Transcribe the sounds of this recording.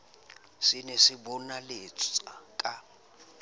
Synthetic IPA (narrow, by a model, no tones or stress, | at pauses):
sinesibɔnalet͡sʼt͡sakʼa